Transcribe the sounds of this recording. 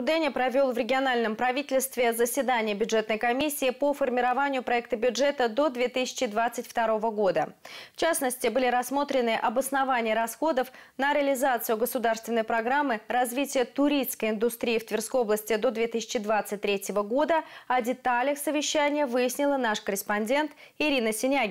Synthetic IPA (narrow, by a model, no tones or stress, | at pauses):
ʊd̪ɛnʲɪpɾɐvʲo̞lˠvɾʲɪɡʲɪɐnalʲnəmpɾɐvʲitʲɪlʲst̪vʲɪzəsʲvʲɪd̪anʲɪjəbʲʊdʐɛt̪nəjkɐmʲisʲːɪːpofərmʲɪɾɐvanʲɪjʊpɾɐɛk̚t̪əbʲʊʐɛt̪əd̪o̞d̪vʲet̪ɨsʲɪ̥t͡ɕɪd̪vat̪sɨtʲft̪ɐɾo̞vəɡo̞d̪əft͡ɕasnəsʲtʲɪbɨlʲɪɾɐsːmo̞t̪ɾʲɪnɨʔɐbəsnɐvanʲɪːɾɐsxo̞d̪əfnəɾʲɪəlʲɪzat̪sɨʊɡəsʊd̪arst̪vʲɪnːəjpɾɐɡɾamːɨrɐzvʲitʲɪjət̪ʊɾʲiskəjɪnd̪ʊst̪ɾʲiːft̪vʲɪrskojo̞blˠəsʲtʲɪd̪o̞d̪vʲet̪ɨsʲɪ̥t͡ɕɪd̪vat̪sɨt̚ʲt̪ːɾʲetʲɪvəɡo̞d̪əɐdʲɪt̪alʲəxsəvʲɪɕːænʲɪjəvɨjɪsʲnʲɪlˠənaʂkəɾʲɪspɐnʲdʲe̞nt̪ | ɪɾʲinəsʲɪnʲa